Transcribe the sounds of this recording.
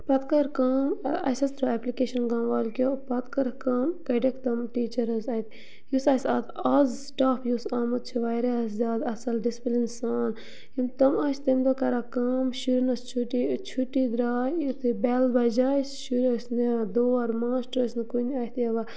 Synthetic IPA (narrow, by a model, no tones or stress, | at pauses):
pɐt̪kɐɾkaːmɐ̰sɐst̪ɾɐɛplikeːʃɐnɡɐ̃ːmʋaːlkʲoːpɐt̪kɐɾkaːmkɐɖekt̪ɐmʈiːt͡ʃɐɾɐzɐt̪ | jusɐːsɐːt̪ɐzsʈaːfʰjusaːmɐt̪̚t͡ʃʰiʋaːjɾeɐszʲaːd̪ɐsɐlɖisplinsaːn | imt̪ɐmɐst̪ɐmd̪okɐɾakaːmʃuɾʲinɐst͡ʃʰuʈit͡ʃʰuʈːid̪ɾaːut̪ɨbɛːlbɐd͡ʒaːsʃuɾɐsned̪oːɐɾmaːsʈɾɐsnɨkunʲɐt̪ʰjɐʋa